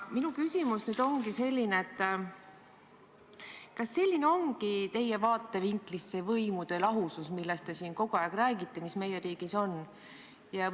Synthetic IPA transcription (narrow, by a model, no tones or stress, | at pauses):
minukysʲimusnyd̪o̞ŋɡise̞lʲːineet̪ː | kɑsːe̞lʲːineo̞ŋɡ̥it̪e̞je̞vɑːt̪ˑːe̞viŋklisːe̞vɤjmud̪̥elɑɦususmilːest̪e̞siːnko̞ɡ̥uɑjɡ̥ræːɡit̪ːemisme̞jeɾiːɡ̥iso̞n | jɑ